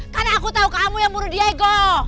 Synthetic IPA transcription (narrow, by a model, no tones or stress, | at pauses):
kanaːkut̪aukamujaŋmuɾudiaɛɡɔ